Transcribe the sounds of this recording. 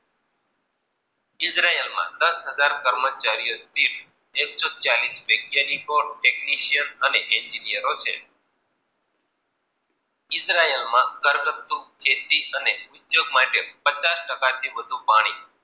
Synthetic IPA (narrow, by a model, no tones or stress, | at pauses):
ɪsɾaelmã̰d̪əsɦəd͡ʒaɾkəɾmət͡ʃaɾijot̪iʈ | eksɔt͡ʃalisʋəɡjanikoɖʈekniʃijənəneʔɛɲd͡ʒinijəɾot͡ʃʰḛ | ɪsɾaelmãkəɾɡət̪ːukʰet̪iəneʊd̪joɡmaʈepət͡ʃasʈəkat̪ʰiʋəd̪ʱũpaɽ̃i